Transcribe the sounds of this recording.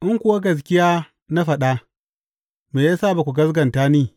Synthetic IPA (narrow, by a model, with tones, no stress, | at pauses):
ʔɪ˦ŋkʷʊ˦wa˦ɡɐ˨s̬kʲɪ˦jaː˦ | na˦ɸɐ˨ɗa˦ | meː˨ja˦saː˦˨ba˨kʷu˨ɡɐ˦sɡɐ˨ntaː˦niː˦˨